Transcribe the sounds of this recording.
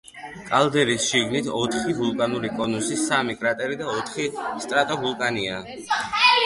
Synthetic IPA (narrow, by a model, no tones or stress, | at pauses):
kʼalˠd̪ɛɾisʃiɡnit̪ʰɔt̪ʰχivulˠkʼanuɾikʼɔnusisamikʼɾat̪ʼɛɾid̪aɔt̪ʰχist̪ʼɾat̪ʼɔvulˠkʼaniaː